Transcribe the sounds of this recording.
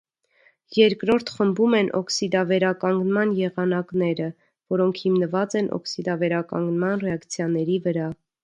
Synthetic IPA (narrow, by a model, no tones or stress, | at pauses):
jɛɾkɾɔɾt̪ʰχəmbumɛnʔɔ̰ksid̪ɑvɛɾɑkɑŋɡnmɑnjɛʁɑnɑknɛɾə | vɔɾɔŋkʰhimnəvɑt͡sɛnʔɔ̰ksid̪ɑvɛɾɑkɑ̰ŋɡnmɑnrɛɑkt͡sʰjɑnɛɾivəɾɑ